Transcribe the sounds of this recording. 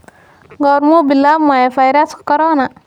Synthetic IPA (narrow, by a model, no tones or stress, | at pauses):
ɡɔwɾmubilːamajafajɾaskkɔɾona